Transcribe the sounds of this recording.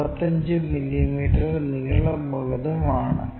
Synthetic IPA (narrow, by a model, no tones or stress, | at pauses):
pɐt̪ːɐɲd͡ʑɨmiljimiːʈɐrniɣɐɭɐmuɣɐðɐmaːɳɨ̰